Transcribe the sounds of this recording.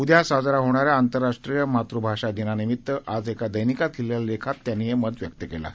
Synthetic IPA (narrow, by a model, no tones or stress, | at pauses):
ud̪ʱjasad͡zɾaɦoɽ̃aɾjaːnt̪əɾːaʂʈɾijəmat̪ɾubʱaʂad̪inanimit̪ːəʔad͡zekad̪əjnikat̪̚kʰiljallekʰat̪ːjanːijeməd̪ʋjək̚t̪əkela̰